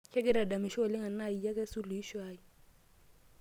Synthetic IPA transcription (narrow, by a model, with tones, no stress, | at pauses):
kʰɛ˦kɪ˦ɾa˨da˨mɪ˨ʃɔ˦˨lɪ˦ŋa˨na˦˨i˨ja˦kɛ˦su˦lʊ˨i˦ʃwaː˦i˨